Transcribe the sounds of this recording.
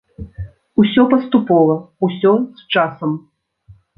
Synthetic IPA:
usʲɔpɐst̪upɔvɐusʲɔst͡ʂasɐm

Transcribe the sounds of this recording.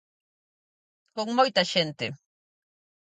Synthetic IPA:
koŋmojt̪aʃent̪e

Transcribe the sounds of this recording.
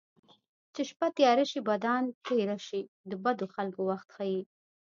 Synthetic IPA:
t͡ʃeʃpat̪jɑɾaʃibad̪ɑnt̪ejɾaʃi | d̪əbad̪oxalkowaxt̪xɑji

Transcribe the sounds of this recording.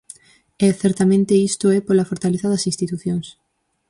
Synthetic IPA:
ɛθɛɾt̪amẽnt̪eist̪oɛpolafoɾt̪aleθaðɐsĩnst̪it̪uθjoŋs

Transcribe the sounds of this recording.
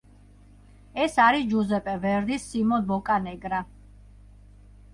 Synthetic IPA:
ɛsaɾid͡ʒuzɛpʼɛvɛɾd̪isːimɔnbɔkʼanɛɡɾa

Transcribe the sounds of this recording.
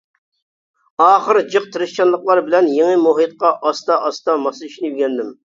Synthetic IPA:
ɑːχəɾd͡ʒɨqt̪ʰɨɾɪʃt͡ʃɑnlˠəqlˠɑɾbɪlɛnjeŋɨmoɦɨt̪̚qɑʔɑst̪ɑʔɑst̪ɑmɑsɨyʃnyɡʲɛnd̪ɪm

